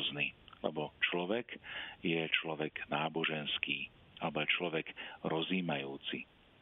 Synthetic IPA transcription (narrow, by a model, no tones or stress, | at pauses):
znilɛ̰bɔt͡ʃlɔʋɛɡjɛt͡ʃlɔʋɛɡnaːbɔʒɛnskiː | alɛbɔjɛt͡ʃlɔʋɛɡɾɔziːmajuːt͡si